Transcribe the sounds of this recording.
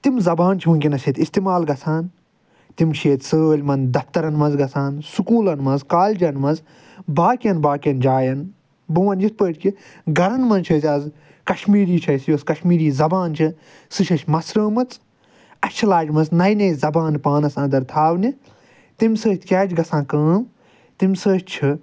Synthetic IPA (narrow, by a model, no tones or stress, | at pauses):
t̪imzɐbaːnt͡ʃʰiũnkʲinɐsʲet̪ist̪imaːlɡɐsʰaːn | t̪imt͡ʃʰeːt̪səːlʲmɐnd̪ɐft̪ɐɾɐnmɐnzɡɐsʰaːnsukuːlɐnmɐzkaːlʲd͡ʒɐnmɐnz | baːkʲjɐnbaːkʲjɐnd͡ʒaːjɐn | bɨʋɐnjit̪̚pəːʈʰʲki | ɡɐɾɐnmɐnt͡ʃʰɐːsʲɐz | kɐʃmiːɾiːt͡ʃʰɐsjoːskɐʃmiːɾiːzɐbaːnt͡ʃʰi | sɨʃɐʃʲmɐsɾəːmɐt͡s | ɐt͡ʃʰilaːd͡ʒmɐznɐjnɐjzɐbaːnpaːnɐsãːnd̪ɐɾt̪ʰaːʋnʲi | t̪imʲsəːʃt̪ʲʰkʲaːd͡ʒɡɐsãːnkəːm | t̪imʲsəːʃt͡ʃʰɨ